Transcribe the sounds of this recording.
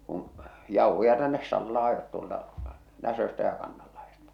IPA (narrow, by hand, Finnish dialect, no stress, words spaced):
kũː jɑuhojɑ tænːes sɑlːɑː ɑjot tuoltɑ næsøstæ jɑ kɑnːɑlːɑhestɑ̥